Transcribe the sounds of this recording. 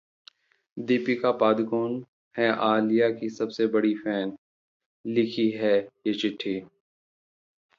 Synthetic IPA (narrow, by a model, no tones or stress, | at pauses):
d̪iːpikapaːd̪koːn | ɦɛʔaːlijakisɐbsebɐɽifɛːn | lɪkʰiɦɛjeːt͡ʃɪʈʰːiː